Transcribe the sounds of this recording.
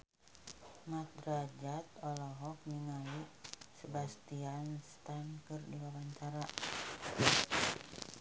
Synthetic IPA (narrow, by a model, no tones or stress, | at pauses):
mat̪̚rad͡ʒat̪ɔlɔɦɔk̚ɲəŋalisəbast̪ianst̪ankɨrdiwawaɲt͡ʃaɾa